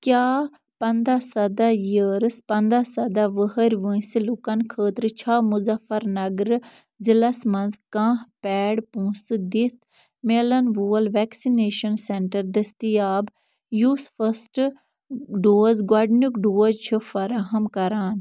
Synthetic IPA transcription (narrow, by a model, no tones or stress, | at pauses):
kjaː | pɐnd̪aːsɐd̪aːjəɾspɐnd̪aːsɐd̪aːʋəɦəɾʲʋə̃silukɐnkʰəːt̪ɾt͡ʃʰaːmʊzɐfɐɾnɐɡɾ | d͡ʒəlɐsmɐ̃nzkãːɦpɛːɽpũːsd̪it̪ʰ | meːlɐnʋuːlʋɛːksineːʃənseɳʈəɾd̪ɐst̪ijaːb | juːsfʰəsʈ | ɖoːzɡaɖnukɖoːzt͡ʃʰufɐɾaːɦəmkɐɾaːn